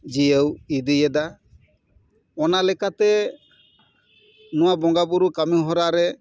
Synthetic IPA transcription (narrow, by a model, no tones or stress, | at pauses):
d͡ʒijəwid̪ijɛd̪a | ɔnalɛkat̪ɛ | nuwabɔŋɡabuɾukamiɦɔɾaɾɛ